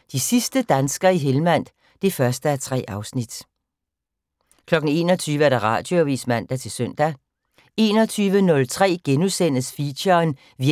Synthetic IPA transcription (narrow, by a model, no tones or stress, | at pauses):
d̥isisd̥əd̥ænsɡ̥ɐiɦelmæn̰d̥ | d̥e̝fɶɐsd̥əæt͡sʰʁɛ̰ːʔɑ̈ʊsnid̥ | kʰlɒ̽ɡ̥n̩e̝̰ːnɒt͡sʰyːʋəæɐɾ̥ɑ̈ʁɑ̈ːd̥joʋḭːsmæn̰d̥æt͡sʰe̝lsøn̰d̥æ | e̝̰ːnɒ̽t͡sʰyːʋənɔ̽lt͡sʰʁɛ̰ːɡ̥enusen̰ðsfiɕɐːn | ʋi